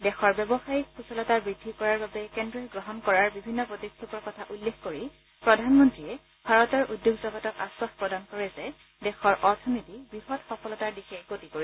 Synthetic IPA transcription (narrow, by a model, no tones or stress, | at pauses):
dɛxɔɹbɛbɔxajik̚pʰusɔlɔtaɹbɹidʱːikɔɹaɹbabɛkɛndɹɔjɡɹɔɦɔnkɔɹaɹbibʱinːɔpɹɔtikʰːipɔɹkɔtʰaʔulːexkoɹi | pɹɔdʱanmɔntɹiɛ | bʱaɹɔtɔɹʔudːjoɡzɔɡɔtɔka̰swaxpɹɔdankɔɹɛzɛ | dɛxɔɹʔɔɹtʰɔnitibɹixɔtxɔfɔlɔtaɹdixɛɡotikoɹi